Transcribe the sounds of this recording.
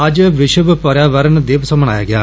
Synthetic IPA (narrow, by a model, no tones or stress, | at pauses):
ɐd͡ʒʋɪʃəbpəɾjaːʋəɾənd̪eːʋsəmənaːja̰ːɡɪja̰ː